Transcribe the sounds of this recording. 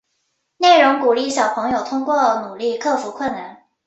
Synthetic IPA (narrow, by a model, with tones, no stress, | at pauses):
ne˥˩ɪɻʊ˧˥ŋku˨˩li˥˩ɕjɑ˨˩ʊpʰɤ˧˥ŋjo˨˩ʊt̪ʰʊ˥ŋkwɔ˥˩nu˨˩li˥˧kʰɤ˥˩fu˧˥kʰwʊ˥˩nna˧˥˦n